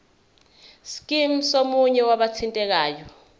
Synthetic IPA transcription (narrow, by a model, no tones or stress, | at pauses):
skʼim̩somuɲɛwaɓat͡sʰintʼɛk̬aːjɔ